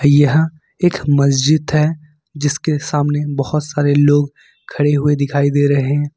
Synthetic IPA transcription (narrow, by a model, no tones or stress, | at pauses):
jɐɦ | eːkmɐsd͡ʒɪd̪ɦɛ | d͡ʒɪskesaːmnebɐhʊt̪saːɾeloːɡ | kʰɐɽeɦʊed̪ɪkʰaːid̪eːɾɐɦeɦɛ̃ː